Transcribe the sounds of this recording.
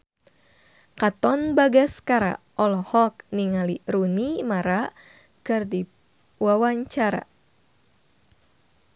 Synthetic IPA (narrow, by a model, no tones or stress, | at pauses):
kat̪ɔnbaɡaskaɾa̰ | ʔɔlɔhɔk̚niŋaliɾunimaɾa | kɨrdi | wawaɲt͡ʃaɾa̰